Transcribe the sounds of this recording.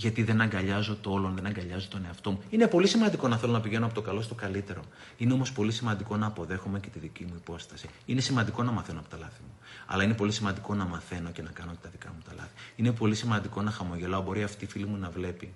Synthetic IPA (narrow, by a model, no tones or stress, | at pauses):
ʝɐt̪iðe̞nɐŋɡɐʎɐzo̞t̪olonðe̞nɐŋɡɐʎɐzot̪o̞ne̞ɐft̪o̞muine̞po̞lisimɐnd̪iko̞nɐθe̞lo̞nɐpiʝe̞noɐpo̞t̪o̞kɐlo̞st̪o̞kɐlit̪e̞ɾo̞ | ineo̞mo̞spo̞lisimɐnd̪iko̞nɐːpo̞ðe̞xome̞ce̞t̪iðicimuipo̞st̪ɐsiine̞simɐnd̪iko̞nɐmɐθe̞noɐpo̞t̪ɐlɐθimu | ɐ̰lɐine̞po̞lisimɐnd̪iko̞nɐmɐθe̞no̞ce̞nɐkɐno̞ce̞t̪ɐðikɐ̰mut̪ɐlɐ̰θi̥ine̞po̞lisimɐnd̪iko̞nɐxɐmo̞ʝe̞loɐbo̞ɾiɐft̪ifilimunɐvle̞pi